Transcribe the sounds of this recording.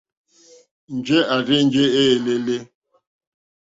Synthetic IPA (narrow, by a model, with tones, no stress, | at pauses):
n̩˨d͡ʒe˦a˨ɾɪ˦n̩˦d͡ʒe˦e˦e˨le˦le˦